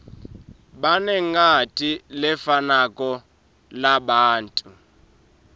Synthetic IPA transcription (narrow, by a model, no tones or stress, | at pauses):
ɓanɛŋatʼilɛfanakʼɔ | laɓaːntʼu